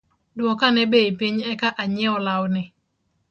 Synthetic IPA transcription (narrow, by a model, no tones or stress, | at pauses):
dwɔkanɛbeipiɲɛkaʔaɲɛɔlawnɪ